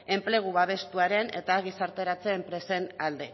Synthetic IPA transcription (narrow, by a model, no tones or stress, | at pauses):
e̞mple̞ɣ̞uβaβ̞e̞st̪uaɾe̞ne̞̰t̪aːɣ̞isaɾt̪e̞ɾat͡se̞ːmpɾe̞se̞nald̪e̞